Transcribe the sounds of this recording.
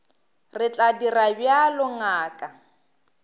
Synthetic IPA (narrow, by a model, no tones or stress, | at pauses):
rɪt͡ɬʼadirabjalʊŋaːkʼa